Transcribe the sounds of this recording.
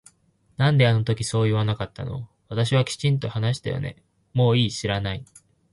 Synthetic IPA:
nãnd̪e̞ano̞t̪o̞kʲiso̞ːiβanakat̪ːa̰no̞̰βat̪aɕ̬iβ̞akʲi̥t͡ɕĩnt̪o̞hanaɕi̥t̪a̰jo̰ne̞̰ | mo̞ːiːɕiɾanai

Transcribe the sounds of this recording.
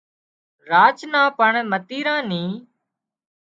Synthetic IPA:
ɾaːt͡ʃnãːpəɳmət̪iːɾãːnĩː

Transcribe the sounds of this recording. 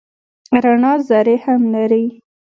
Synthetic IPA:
ɾanɑzaɾehamlaɾi

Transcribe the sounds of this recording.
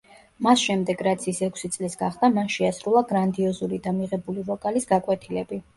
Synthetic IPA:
masʃɛmd̪ɛɡɾat̪sʰisɛkʷʰsit̪sʼlisɡaχd̪amanʃɛasɾulˠaɡɾand̪iɔzulid̪amiʁɛbulivɔkʼalisɡakʼwɛt̪ʰilɛbi

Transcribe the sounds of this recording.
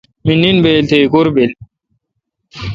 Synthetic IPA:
minːinbeːlt̪ʰekuɾbel

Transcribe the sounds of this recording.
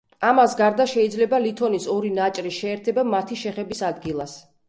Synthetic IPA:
amasɡaɾd̪aʃɛid̪zlɛbalit̪ʰɔnisɔɾinat͡ʃʼɾiʃɛːɾt̪ʰɛbamat̪ʰiʃɛχɛbisad̪ɡilˠas

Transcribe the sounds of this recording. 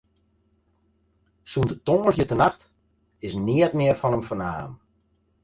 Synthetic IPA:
sundətɔːəsjətənaxt | ɪsnɪətmɪərfɔnəmfəna̰ːən

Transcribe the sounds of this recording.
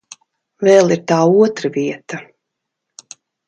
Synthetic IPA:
vɛːlˠiɾt̪aːuɔt̪ɾaviɛt̪a

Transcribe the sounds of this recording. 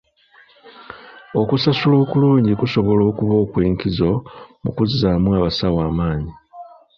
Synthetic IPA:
o̞kusasulo̞ːkuluːɲɟikuso̞βo̞lo̞ːkuβo̞ːkweːŋkizo̞mṵkuziaːmwaβasawaːmaːɲi

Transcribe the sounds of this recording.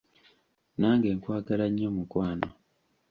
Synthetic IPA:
naːŋɡe̞ːŋkwaːɡalaɲːomukwaːno

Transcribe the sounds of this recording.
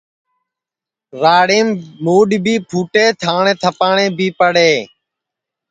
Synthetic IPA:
ɾaːɽeːmmoːɗbiːpʰuːʈeːt̪ʰaːɳẽːt̪ʰəpaːɳẽːbʱiːpəɽeː

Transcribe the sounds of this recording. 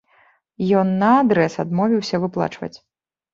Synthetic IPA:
jɔnːɐad̪ɾɛsad̪mɔvʲiwsʲɐvɨplˠa̰t͡ʂvɐ̰t͡sʲ

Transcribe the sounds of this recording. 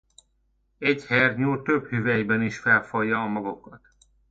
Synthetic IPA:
ɛɟhɛrɲuːrt̪øbhyvɛjbɛniʃfɛlfɒjːɒːmɒɡokɒt̪

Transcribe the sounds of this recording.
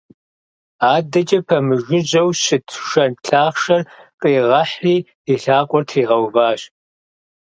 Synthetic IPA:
aːdɐt͡ʃʼɐpʰɐmɨʒɪʑɐwɕɪtʰʃɐnɬʰaːχʃɐrqʼiːʁɐħiː | iɬaːqʷʼɔrtʰiːʁɐwvaːɕ

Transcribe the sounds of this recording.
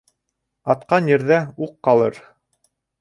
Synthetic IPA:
ɑt̪qɑnjɘ̆ɾðæuqːɑlˠɤɾ

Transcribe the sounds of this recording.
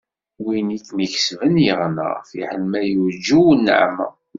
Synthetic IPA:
winiθniç̥svənjəʁnə̰ʁfḭħəlmæjud͡ʒuwnːə̰ʕmə̰

